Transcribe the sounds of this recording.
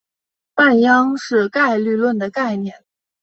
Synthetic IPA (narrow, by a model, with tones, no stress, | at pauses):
pa˥˩njɑ˥ŋʂɻ̩˥˧ka˥˧ɪly˥˧lwə˥˩nd̪ə˩ka˥˩ɪnjɛ˥˩n